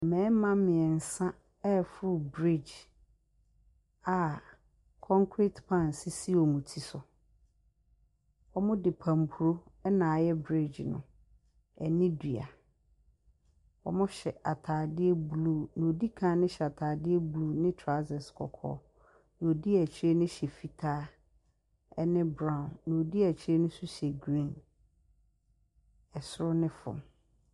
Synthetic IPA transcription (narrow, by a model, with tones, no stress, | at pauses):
mɛ̃˨˦mã˦mɪ̃˨ɛ˨n̩˨sã˦ | ɛ˦˨fʊ˦ɾʊ˦˨bɾi˦˨d͡ʒ | a˨ | kʰɔ̃˦ŋkʰɾi˦tpʰã˦˨n˨sɪ˦si˦ɔ˨mũ˨tʰi˨sʊ˨ | ɔ˦mʊ̃˦dɪ˨pʰã˨m˨pʰu˨ɾo˦ɛ˦nã˨jɛ˦bɾi˦d͡ʑnʊ̰̃˨ | ɛ˨nɪ̃˦di˨a̰˨ | ɔ̰˨mʊ̃˦ɕɛ˨ʔa˨tʰaː˨dɪ˦ɛ˦bluː˦˨nʊ̃˨o˨di˦kʰã˦nɪ̃˦ɕɛ˨a˨tʰaː˨dɪ˦ɛ˦blu˦˨nɪ̃˦tʰɾa˦zɛ˨skʰɔ̰˨kʰɔ̰ː˦˨˦ | nʊ̃˨o˨di˦æ˨t͡ɕʰi˦ɾe˦nɪ̃˦ɕɛ˨fi˦tʰaː˦ | ɛ˦nɪ̃˦bɾã˦˨nːʊ̃˨o˨di˦æ˨t͡ɕʰi˦ɾe˦nʊ̃˦su˦ɕe˨ɡɾĩ˦˨n | ɛ˨sʊ˦ɾʊ˦nɪ̃˦fʊ̰̃˨m